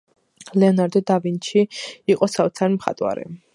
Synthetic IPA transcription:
lɛɔnaɾd̪ɔd̪avint͡ʃʰiiqʼɔsat̪sʰaɾimχa̰t̪ʼwa̰ɾɛ̰

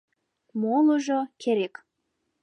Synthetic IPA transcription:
moləʒokʰeɾek

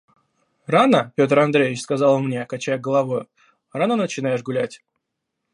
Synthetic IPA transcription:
ranəpʲo̞t̪əɾɐnd̪ɾʲejʲvʲɪt͡ɕskɐzɑlˠmnʲe̞kɐt͡ɕæjɡəlˠɐvo̞jʊ | ranənət͡ɕɪnajɪʂɡʊlʲætʲ

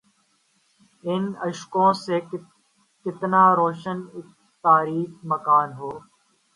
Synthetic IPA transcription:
ɪnəʃkõːseː | kɪt̪naːɾoːʃənɪk̚ | t̪aːɾiːxməkaːnɦoː

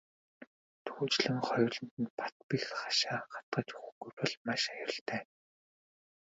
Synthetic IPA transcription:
t̪ʰuːt͡ɕɮɘ̆ŋχɔj̆rɮɞ̆nt̪ɘ̆npʰḁt̪pixχḁʃaːχḁt̪̚ɢə̆t͡ɕʊ̥xɘ̆ɡupɔ̆ɮmaʃajʊ̆rɞ̆ɬt̪ʰæː

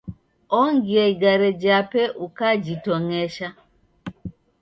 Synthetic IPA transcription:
ɔŋɡiaiɡaɾed͡ʒapɛʔukad͡ʒitɔŋeʃa

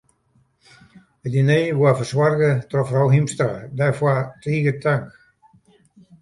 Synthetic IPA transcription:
ədineːʋoafəswarɣətrɔfrawɦimstradɛfwatriːɡətʰaŋk

